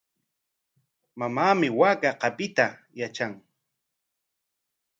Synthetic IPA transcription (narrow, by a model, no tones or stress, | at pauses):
mamaːmɪwaːkaqɑpɪt̪a | jat͡ʃaŋ